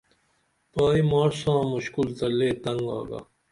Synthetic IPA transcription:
paːimaːɾsãːmuɕkult̪ɐleːt̪ɐ̃ŋɡa̰ːɡa̰ː

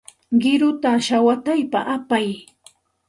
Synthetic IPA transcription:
ɢɪɾʊt̪aʃawat̪ajpaʔapaj

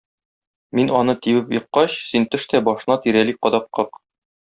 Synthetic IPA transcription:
minɒnɤt̪ibɘpjɤ̆qːɑɕsint̪ɘ̆ʃt̪æbɒʃɤ̆nɑt̪iɾæliqɒd̪ɑqːɤq

